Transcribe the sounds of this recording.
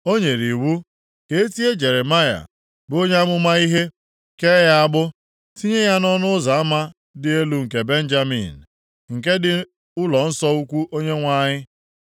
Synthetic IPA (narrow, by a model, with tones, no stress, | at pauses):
o˦ɲe˨ɾi˨wu˦ | ke˨e˦ti˦e˦d͡ʒe˨ɾe˨ma˦ja̰˨ | bo˦ɲe˦a˦ɡ͡bʊ˦ma˦i˦ɦe˦ | ke˦ja˦a˦ɡ͡bʊ˦ | ti˦ɲe˦ja˦nɔ˦nʊ˦za˨a˦ma˦ | dɪ˦e˦lu˦ŋ̩˨ke˨be˦n̩˦d͡ʒa˦mḭ˨n̩˨ | ŋ̩˨ke˦dɪ˦ | ʊ˦lɔ˨n̩˦sɔ˦u˦kʷu˦ʔo˦ɲe˦ŋʷa˦ɲɪ˦